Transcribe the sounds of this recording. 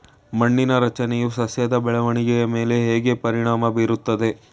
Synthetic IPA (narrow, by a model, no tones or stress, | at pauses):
mɐɳːinɐɾɐt͡ʃɐnɛjusɐsjɐd̪ɐbɛɭɐʋɐɳiɡɛjɐme̞ːle̞ɦeːɡe̞pɐɾiɳaːmɐbiːɾut̪ːɐd̪e̞